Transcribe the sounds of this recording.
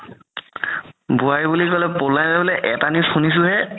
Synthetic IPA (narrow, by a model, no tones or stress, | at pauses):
buaɹibulikɔlɛpolajnabɛlɛʔɛtanixunis̬ʊɦɛ